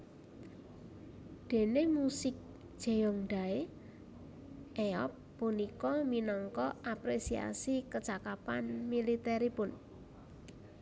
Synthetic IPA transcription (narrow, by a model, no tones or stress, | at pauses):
d̪̥e̤nemusɪk̚ | ʒ̥e̤jɔŋɖ̥̪a̤e | ʔeɔ̰pːunikɔminɔŋkɔapɾesia̰sikət͡ʃakapanmilit̪ɛɾipʊn